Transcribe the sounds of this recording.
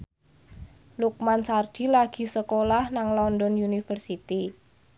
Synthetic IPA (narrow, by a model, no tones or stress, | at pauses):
luk̚mansard̥i̤laɡ̥i̤səkolahnaŋlɔndɔnjunifərsit̪i